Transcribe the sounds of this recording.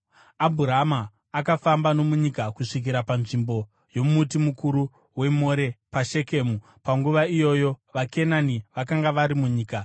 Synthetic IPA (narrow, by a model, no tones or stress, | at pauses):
abʱuɾamaː | kafambano̞muɲikakuʂik̬iɾapanʐimbo̞ | jo̞mutimukuɾu | we̞mo̞ɾe̞paʃe̞keːmu | paŋɡuʋaijo̞jo̞ʋake̞naniʋakaŋɡaʋaɾimuɲiːka